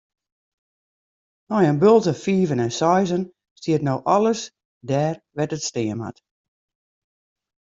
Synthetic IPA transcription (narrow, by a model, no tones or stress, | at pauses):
nɔjənbølˠtəfiːvənɛnsɔjzən | stiətnowʔɔlˠəs | dɛːrʋɛtətstɪəmha̰t